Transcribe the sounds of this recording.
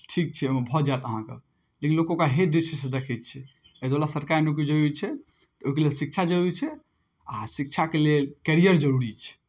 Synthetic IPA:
ʈʰik̚t͡ʃʰɛomebʱɔd͡ʒaet̪əɦãkḛ | lekinlokokaɦeɖisisd̪ekʰɛt̪̚t͡ʃʰɛ | əd̪olasəɾkaɾinuk̬id͡ʒəɾuit͡ʃʰɛ | t̪ɔoikelelsik̚t͡ʃʰad͡ʒəɾuɾit͡ʃʰɛ | asik̚t͡ʃʰakelelkɛɾijəɾd͡ʒəɾuɾit͡ʃʰɛ̥

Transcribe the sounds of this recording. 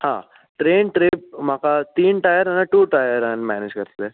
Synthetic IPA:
hã̰ː | ʈɾeːnʈɾeːp̚makat̪iːnʈajɐɾɐnːɐʈuːʈajɐɾɐnma̰ːned͡ʒkɐɾt̪ɐd̪e

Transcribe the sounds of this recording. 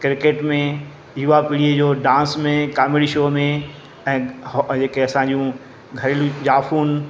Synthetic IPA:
kɪɾkeːʈmẽ | juːapɪɽied͡ʑoːɖãːnsmẽkaːmɪɽiʃoːmẽ | ɛ̃ːd͡ʑeːkeɐsãɲd͡ʑũ | ɡʱɐɾelũd͡ʑaːfuːn

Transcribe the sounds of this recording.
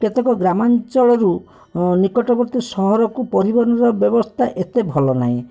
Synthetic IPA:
kɔt̪ekɔɡɾamant͡ʃɔɭɔɾu | nikɔʈɔbɔɾt̪isɔɦɔɾɔkupɔɾibɔɾnɔɾɔbjɔbɔst̪ʰaʔet̪ebʱɔlɔna̰ɦĩ

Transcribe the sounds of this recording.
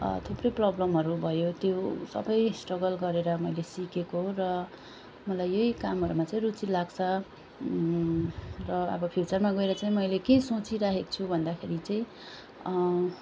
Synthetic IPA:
t̪ʰuprʌjprʌblʌmɦʌɾubʱʌjot̪josʌ̰bʌjsʈrʌɡʌlɡʌɾeɾʌmʌjlesikekorʌ | mʌlajːʌikamɦʌɾumat͡saĩrut͡silaɡt͡sʰʌ | rʌʌ̰bʌpʰit͡sʌrmaɡʌeɾʌt͡saĩmʌjlekesot͡siɾaɦekt͡sʰubʱʌnd̪akʰeɾit͡saĩ

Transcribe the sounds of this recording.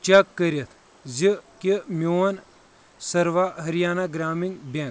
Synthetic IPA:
t͡ʃɐkːəɾʲɐt̪ʰ | zikimʲowɐn | sɐɾʋaɦɐɾjaːnaɡɾaːmiŋɡbɐn

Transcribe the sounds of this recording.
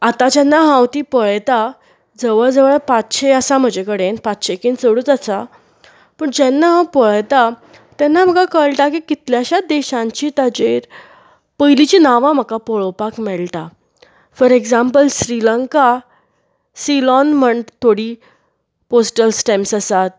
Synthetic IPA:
at̪ad͡ʑɛnːaɦãwt̪iːpəɭjt̪a | d͡zəʋəɭd͡zəʋəɭpat̪ɕʰeəsam̤əd͡ʑekəɽenpat̪ɕʰekiːnt͡səɽut͡səsa | pəɳd͡ʑɛnːapəɭjt̪a | t̪ɛnːam̤əkakəɭʈakikit̪ljaɕad̪eɕãɲt͡ɕiːt̪ad͡ʑeɾ | pəjlit͡ɕinaʋãm̤əkapɔɭəwpakmɛɭt̪a | fəɾeɡzãmpəlsɾiləŋka | silɔnm̤əɳt̪ʰːoɽiː | posʈəlsʈemsəsat̪̚

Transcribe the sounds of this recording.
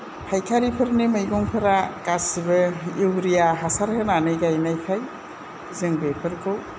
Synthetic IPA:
hajkʰaɾipʰɐɾnemɯjɡɔŋpʰɐɾakasibɐiwɾijaɦasaɾkɯnanɯjɡajnajkʰaj | zɯŋbepʰɯɾkʰɯw

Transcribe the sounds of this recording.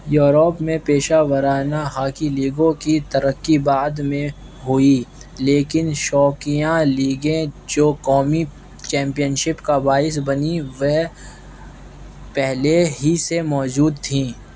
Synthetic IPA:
joːɾopmẽpeːʃaːʋəɾaːnaɦaːkiliːɡõkit̪ɐɾəkːibaːd̪mẽ | ɦʊi | leːkɪnʃɔːkijãliːɡẽd͡ʒoːkɔːmi | t͡ʃɛ̃ːmpijənʃɪpkabaːɪs̬bɐniʋɛɦ | pɛɦleɦisemɔːd͡ʒuːd̪t̪ʰĩː

